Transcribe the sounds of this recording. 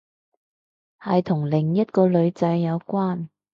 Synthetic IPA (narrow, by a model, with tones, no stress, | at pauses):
hɐ˨jt̪ʰʊ˨˩ŋlɪ˨˩ŋjɐ˥t̚kɔː˧lɵ˨˧ɥt͡sɐ˨˧jːɐ˨˧wkʷwaː˥n